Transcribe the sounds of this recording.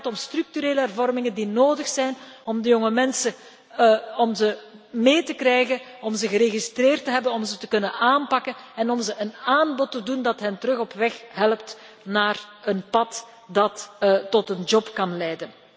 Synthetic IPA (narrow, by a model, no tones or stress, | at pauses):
tɔmstryk̚tyɾeːləɛrvɔrmɪŋəndinoːdəxsɛjnɔmdəjɔŋəmɛnsə | ɔmzəmeːtəkrɛjɣən | ɔmzəɣəɾeːɣistreːrtəɦɛbənɔmzətəkɵnənaːnpɑkənɛnɔmzəʔənaːnbɔtədundɑtɦɛntəɾɵɣɔpʋɛxɦɛləpt | naːrənpɑt | dɑttɔtənd͡ʒɔpkɑnlɛjdən